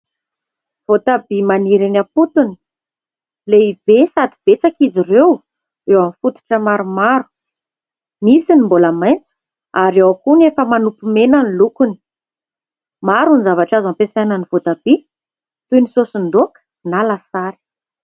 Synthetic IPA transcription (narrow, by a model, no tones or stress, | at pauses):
v̥ot̪abimaniɾinaput̪uni̥ | leibesad̪ib̥et͡sakizirew | ewamifut̪u̥ʈ͡ʂəmaɾumaɾu̥ | misinimbolamajnt͡sə̥ | aɾewakunefəmanupumenanilukuni̥ | maɾunizavaʈ͡ʂazampesajnənivot̪ab̥i | t̪unisosund̪okə̥ | nalasaɾi̥